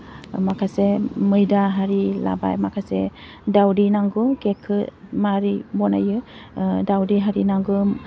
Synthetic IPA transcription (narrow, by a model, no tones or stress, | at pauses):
makʰasemɯjdaɦaɾila̰ba̰jmakʰase | dawdinaŋɡɯkekʰɯmaɾibɔna̰jɯdawdiɦaɾinaŋɡɯ